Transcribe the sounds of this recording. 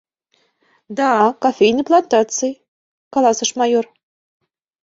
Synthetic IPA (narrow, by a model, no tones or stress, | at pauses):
d̪ɑkofʲejnɨjplˠant̪ɑt̪sɨ | kɑlˠɑsɤ̆ʃmɑjor